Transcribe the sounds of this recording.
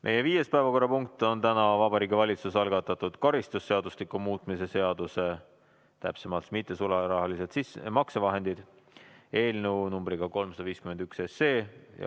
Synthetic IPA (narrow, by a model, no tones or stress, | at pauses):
mʔeje̞viːje̞spæevɑko̞rːɑpuŋk̚t̪ːˑo̞nt̪ænɑvɑbɑɾiːɡivɑlʲit̪susɑlɡ̥ɑt̪ːˑɑt̪ud̪̥kɑɾist̪usːe̞ɑd̪uslikumuːt̪ˑmise̞se̞ɑd̪̥use̞ | t̪æ̰pse̞mɑlt̪mit̪ːˑe̞suleɾɑɦɑliset̪sismɑksevɑɦe̞nd̪̥id̪̥ | e̞ːlnewnumbɾiɡ̥ɑko̞lmsɑd̪ɑviːskymend̪ykse̞sːe̞ːj̰